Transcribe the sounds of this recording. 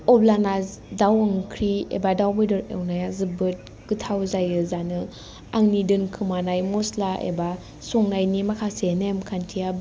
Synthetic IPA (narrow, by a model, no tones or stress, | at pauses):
ɔblanaz | dawɯŋkʰɾiḛbadawbɯjdɯɾḛwnajazɯbɯt̚ | ɡɯtʰawzajɯzanɯ | aŋnidɯnkʰɯmanajmɔslaʔḛba | soŋnajnimakʰasenemkʰantʰijab